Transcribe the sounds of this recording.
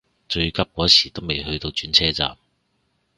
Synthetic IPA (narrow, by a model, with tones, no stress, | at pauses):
t͡ʃɵ˧ɥkɐ˥p̚kɔː˨˥sʰiː˨˩t̪o˥wme˨jhɵ˧ɥt̪o˧wt͡ʃyː˨˥nt͡sʰɛː˥t͡sa̰ː˨m